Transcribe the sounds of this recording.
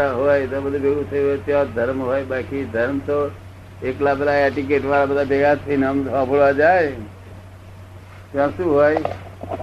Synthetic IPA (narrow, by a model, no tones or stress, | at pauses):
aɦojd̪ɔbəd̪ʱubeɡut̪ʰəjɦojt̪jɔ̃d̪ʱəɾmɦoːjbaːkid̪ʱəɾmt̪o | eklabelaɛʈik̬eʈʋaɾabəd̪ʱabeɡat̪ʰinəmɔ̃poɭʋad͡ʒae | t̪jɔ̃sũɦoj